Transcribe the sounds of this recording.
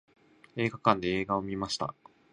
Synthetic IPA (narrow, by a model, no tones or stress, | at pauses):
e̞ːɡakãnd̪e̞eːɡaomʲimaɕi̥t̪a̰